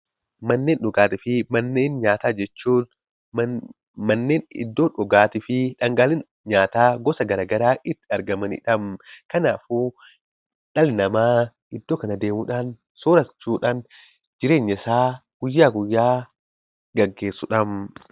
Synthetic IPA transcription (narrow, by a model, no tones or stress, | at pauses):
mɐnːe̞ːnᶑɔɡaːt̪ɪfɪmɐnːeːnɲaːt̪aːd͡ʒɛt͡ʃːuː | mɐnːe̞ːnɪ̰d̪ːoːᶑɔɡaːt̪ɪfɪᶑɐŋɡaːlɪn | ɲaːt̪aːɡɔsɐɡɐɾaːɡɐɾaːʔɪt̪ːɪɐɾɡɐmɐnɪ̰ᶑɐmkɐnaːfuː | ᶑɐlnɐmaː | ɪd̪ːoːkɐnɐd̪e̞ːmuːᶑaːn | soːɾɐt͡ʃːuːᶑaːn | d͡ʒɪɾe̞ːɲːɐsaːɡ̥ʊjːaːɡʊjːaː | ɡɐɡːe̞ːsːʊᶑɐm